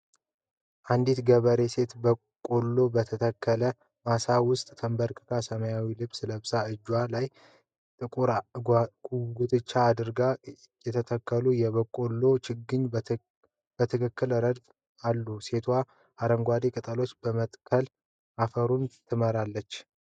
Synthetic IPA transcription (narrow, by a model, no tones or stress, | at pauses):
ʔand̪it̪ɡəβəɾe̞se̞t̪bə | kʼolːo̞bət̪ʰət̪ʰəkʰːələ | masawʊst̪ʼt̪ʰəmbəɾkʰɨ̥k̪ʰasəməjawilɨbsɨləbsaɨd͡ʒːwalaj | t̪ʼɨkʼuɾa | ɡut̪ʼɨt͡ʃːaːd̪ɨɾɡa | jɛt̪ʰət̪ʰəkːəlujɛβəkʼo̞lːo̞t͡ʃɪɡɨɲ | b̥ət̪ʰɨkʰɨkːɨlɾəd̪f | alːuse̞t̪ʰwa | ʔaɾəŋɡʷad̪ekʼɨt̪ʼəlo̞t͡ʃːbəmət̪ʼkʰəl | ʔafəɾunt̪ʰɨməɾalːət͡ʃː